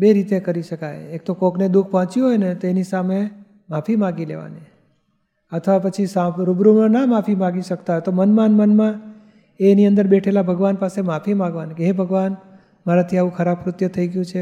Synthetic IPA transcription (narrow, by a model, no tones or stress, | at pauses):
beɾit̪ekəɾiʃəkajek̚t̪okokned̪uk̚ʰpɔɦɔ̃t͡ʃuɦojnet̪oenisame | mafʰimãɡilḛʋa̰ne | ət̪ʰəʋapət͡ʃʰisãɾubɾumə̃namafʰimãɡiʃək̚t̪aɦojt̪omənmanmənmã | eniənd̪əɾbeʈʰelabʱəɡʋanpasemafʰimãɡʋanikeɦebʱəɡʋan | maɾat̪ʰiaʋũkʰəɾab̚kɾʊt̪jət̪ʰəiɡjũt͡ʃʰe